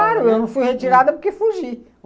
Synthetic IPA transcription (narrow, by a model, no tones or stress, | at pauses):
aɾʊewnɐ̃w̃fujhet͡ʃiɾad̪ɐpʊɾkefuʒi